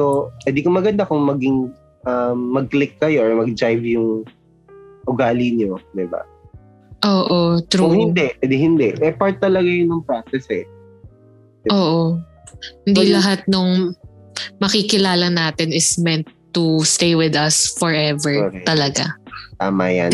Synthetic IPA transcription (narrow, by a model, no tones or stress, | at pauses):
sowɛd̪ikomɐɡɐnd̪akʊŋmɐɡɪŋ | ʔɐmːɐɡ̚klɪkːɐjoʔɔɹmɐɡ̚d͡ʒajvjʊŋ | ʔʊɡaːlɪɲod̪ɪba̰ | ʔoːʔot̪ɾuohɪnd̪ɛʔd̪ɦɪnd̪ɛʔʔɛpaɹt̪ːɐlɐɡajʊnɐŋpɹasɛsɛ | ɪʔoːʔo | hɪnd̪iːlɐɦat̪̚nʊŋ | mɐkikɪlaːlɐnaːt̪ɪnɪsmɛnt̪ːust̪ejwɪd̪ɐsfɔɹʔɛvɛɹɛɐlɐɡa̰t̪a̰ːma̰ja̰n